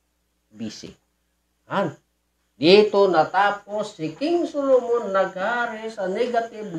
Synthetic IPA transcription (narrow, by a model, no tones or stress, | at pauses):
bisḭ | an | det̪onat̪ap̚osikiŋsulumunnaɡaɾesaneɡat̪ib